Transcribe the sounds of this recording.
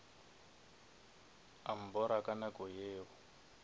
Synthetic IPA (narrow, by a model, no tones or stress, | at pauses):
am̩bɔɾakanakɔjeːwɔ